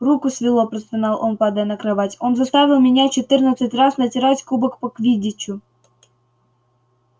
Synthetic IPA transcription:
rukʊsvʲɪlˠopɾəst̪anɑlˠʔonpɑd̪ənəkɾavatʲonzɐst̪avʲɪlˠmʲɪnʲat͡ɕɪt̪ɨrnət̪sɨtʲrasnətʲɪɾatʲkubəkpəkvʲidʲɪt͡ɕːʊ

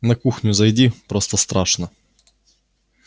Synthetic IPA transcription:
nɐkuxnʲʊzɐjdʲipɾost̪ɐst̪ɾaʂnɐ

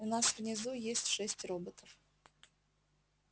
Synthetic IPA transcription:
ʊnasvnʲɪzujesʲtʲʂɛsʲtʲro̞bət̪ʰəf

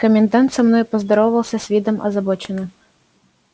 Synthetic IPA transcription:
kəmʲɪnd̪ant̪sɐmnɔjupɐzd̪ɐɾɔwvɐlˠsʲɐsʲvʲid̪ɔmɐ̰zɐbɔt͡ʃɪnɐ

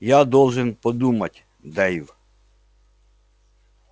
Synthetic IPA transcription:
jad̪ɔlˠʒɪnpɔd̪umɐtʲ | d̪ɛjw

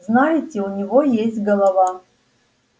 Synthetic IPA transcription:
znajɪtʲɪʊnʲivojesʲtʲɡɐlˠɐva

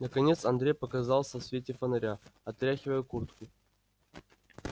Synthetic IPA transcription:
nɐkanʲet̪sɐnd̪ɾʲejpɐkazɑlˠsɐsʲvʲetʲefɐnɐɾʲaɐt̪ɾʲaxʲɪvəjəkurt̪ku

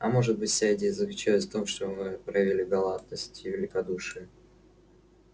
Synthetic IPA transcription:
ɐ̰mo̞ʐɨt̪̚bɨtʲsʲadʲɪzəklʲʉt͡ɕæj̪ʲft̪o̞mʂt̪o̞mɨpɾɐvʲilʲiɡɐlˠad̪̚nəsʲtʲɪvʲɪlʲɪkɐd̪uʂɨjə

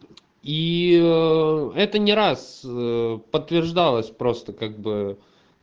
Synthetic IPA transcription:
i | ɛt̪ənʲɪɾas | pət̪ːvʲɪrʐd̪alˠəsʲpɾo̞st̪əkaɡ̚bɨ

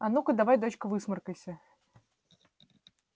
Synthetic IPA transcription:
ɐnukəd̪avajd̪ot͡ɕkəvɨsmərkəjsʲə

